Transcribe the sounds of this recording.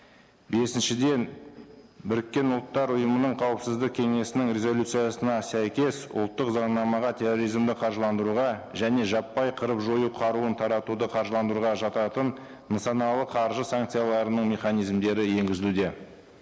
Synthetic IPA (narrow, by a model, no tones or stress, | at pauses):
be̞sɪnʃɪd̪e̞n | bʏɾɪkʲːe̞nʊlˠt̪ːɑɾʊjəmənəɴqʰɑwəpsɪzd̪ɪk̚kʲʰe̞ŋe̞sɪnɪŋɾʲe̞zo̞lʲut̪sɨjasənɑsæjkʲe̞sʊ̰lˠt̪ːəqzɑɴnɑmɑʁɑt̪ʲʰe̞ro̞ɾijzmd̪ɪqʰɑɾʒəlˠɑnd̪əɾuʁɑʒæne̞ʒɑpːɑjqʰəɾəpʒo̞juqʰɑɾuənt̪ʰɑɾɑt̪ud̪əqʰɑɾʒəlˠɑnd̪əɾuʁɑʒɑt̪ɑt̪ənː | əsɑnɑlˠəqʰɑɾʒəsaŋk̚t̪sɨjalˠɑɾənəɴmʲe̞χɑnijzmd̪e̞ɾɪje̞ŋɡʲɪzɪlud̪e̞